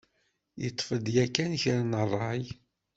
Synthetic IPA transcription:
jət̪ˤːfəd̪jækːænçəɾnərˤːɑj

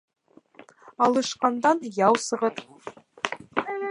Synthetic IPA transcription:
ɑlˠɤ̆ʃqɑnd̪ɑnjɑwsɤ̆ʁɤt̪

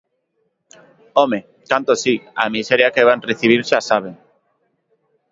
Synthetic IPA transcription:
ome | kant̪osia̰miseɾjakeβanreθiβ̞iɾʃasaβ̞eŋ

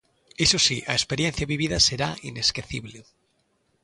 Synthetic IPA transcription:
esosiʔaespeɾjen̟θjaβiβ̞iðaseɾaineskeθiβle

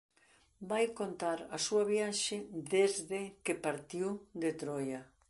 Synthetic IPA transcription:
bajkont̪aɾɐsuɐβjaʃɪðezðɪkepaɾt̪iwd̪et̪ɾɔjɐ

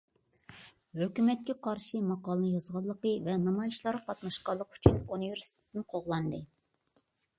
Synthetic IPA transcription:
høkʲymɛt̪̚kʲɛqʰɑɾʃɨmɑqɑːlˠnɨjɑz̥ʁɑlˠːəqəvɛnɑmɑjʃlˠɑɾqʰɑt̪nɑʃqɑlˠːəqy̥t͡ʃʰynuniveɾsi̥t̪ʰe̥t̪ɪnɪqʰoʁlˠɑnd̪ɨ

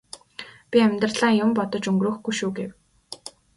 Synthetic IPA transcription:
pʲiæmʲt̪rɮaːŋjʊmpɔt̪ɞ̆t͡ɕɵŋɡrɵ̆ːxɡujʃuːɡew

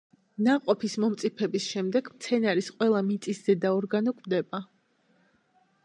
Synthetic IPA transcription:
naqʼɔpʰismɔmt̪sʼipʰɛbisʃɛmd̪ɛɡmt̪sʰɛnaɾisqʼwɛlˠamit̪sʼiszɛd̪aɔɾɡanɔkʼvd̪ɛba

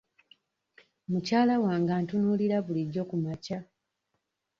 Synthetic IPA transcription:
mucaːlawaːŋɡaːntunuliɾaβuliɟːo̞kumaca

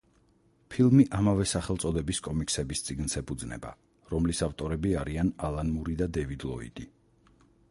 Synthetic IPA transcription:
pʰilˠmiʔamavɛsaχɛlˠt̪sʼɔd̪ɛbiskʼɔmiksɛbist̪sʼiɡnsɛpʰud̪znɛ̰ba̰ | ɾɔmlisaft̪ʼɔɾɛbiaɾianalˠanmuɾid̪ad̪ɛvid̪lˠɔ̰ḭd̪̥i

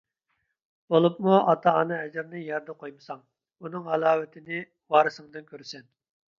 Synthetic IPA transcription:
bolˠupmuɑt̪ʰɑːnɨɛd͡ʒɪɾnɪjɛɾd̪ɛqʰojmɨsɑŋ | unɨŋɑlˠɑːwɪt̪ʰɪnɪ | wɑːɾɨsɨŋd̪ɨnkʲʰøɾsɛn

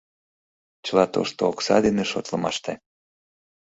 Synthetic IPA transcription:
t͡ɕəlɑt̪o̰ʃt̪oːksɑd̪eneʃot̪lɤmɑʃt̪e

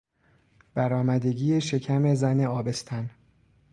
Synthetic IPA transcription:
b̥æɾɒːmæd̪e̞ɡiːjeʃe̞cʰæme̞zæne̞ɒːbe̞st̪ʰæn

